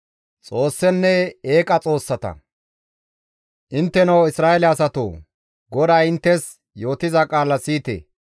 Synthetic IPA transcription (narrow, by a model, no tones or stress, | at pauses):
t͡sʼo̞ːsːɛnːɛeːkʼɐt͡sʼo̞ːsːɐt̪ɐ̰ | ʔɪnt̪ːɛnɐwɪsɾaːɛlɛɐsɐt̪o̰ː | ɡɔd̪aːɪnt̪ːɛs | jo̞ːt̪ɪzɐkʼaːlɐsiːt̪ḛː